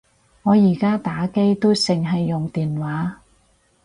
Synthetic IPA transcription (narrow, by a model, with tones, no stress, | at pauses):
ŋɔː˨˧jiː˨˩kaː˥t̪aː˨˥ke˥jt̪o˥wsɪ˨ŋɦɐ˨jːʊ˨ŋt̪iː˨nwaː˨˥